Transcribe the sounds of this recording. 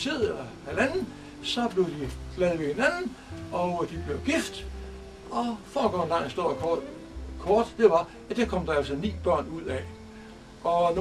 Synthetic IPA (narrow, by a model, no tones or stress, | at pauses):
sʰe̝ɐðˠlɒhælænn̩ | sɒ̽b̥le̝ʊd̥iɡ̥lɛðˠʋe̝he̝nænn̩ | ɒ̽d̥ib̥le̝ʊɡ̥ifd̥ | ɒ̽fɒːɡ̥ɒ̰nd̥ɑ̰ŋ̰sd̥o̝̰ | kʰɒːd̥d̥e̝ʋɑ̈ | æd̥ɑkʰɒ̽md̥ɑ̈æl̰sɒnḭːb̥ɶɐ̰nuð̰ˠɛ | ʔɒ̽n